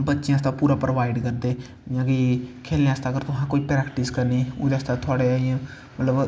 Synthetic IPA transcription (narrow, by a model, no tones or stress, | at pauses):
bətːʃejãːst̪ãpuːɾaːpɾoʋaːɪɖkəɾd̪eː | jãːkikʰeːlneaːst̪aːkəɾt̪ʊɦãːkoːiːpɾɛːkʈɪskəɾniːʊ̰d̪east̪at̪ʰʊaːɽeaːijãː | mət̪ləb